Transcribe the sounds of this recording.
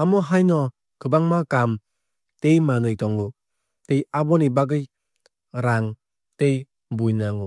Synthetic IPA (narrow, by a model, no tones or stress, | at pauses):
amɔɦajnɔ | kʰɯbaŋmakam | tejmanɯjtɔŋu | tejabɔnibaɡɯj | ɾaŋ | tej | bujnaŋu